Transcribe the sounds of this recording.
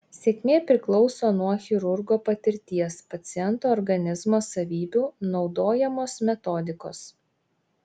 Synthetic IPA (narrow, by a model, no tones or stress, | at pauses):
sʲeːkʲmʲeːpʲɾʲɪklˠɒʊsoːnuɔxʲɪɾʊɾɡoːpɐt̪ʲɪɾʲt̪ʲiɛspɐt̪sʲɪjɛnt̪oːɔɾɡɐnʲɪzmoːsɐʋʲiːbʲuːnɒʊd̪oːjɛmoːsmʲɛt̪ɔd̪ʲɪko̰ːs